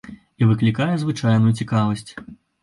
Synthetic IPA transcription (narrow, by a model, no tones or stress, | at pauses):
ivɨklʲikajɛzvɨt͡ʂajnujut͡sʲikavɐsʲt͡sʲ